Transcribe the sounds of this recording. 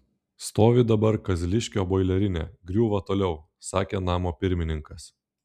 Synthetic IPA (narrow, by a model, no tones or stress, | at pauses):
st̪oːʋʲɪd̪ɐbɐɾkɐzʲlʲɪʃʲkʲoːboɪlʲɛɾʲɪnʲḛːɡɾʲuːʋɐt̪oːlʲɛʊ | sɑːkʲeːnɑːmoːpʲɪɾʲmʲɪnʲɪŋkɐs